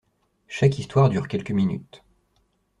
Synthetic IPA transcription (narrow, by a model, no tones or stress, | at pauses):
ʃakist̪waʁd̪yʁkʲɛlkəminy̰t̪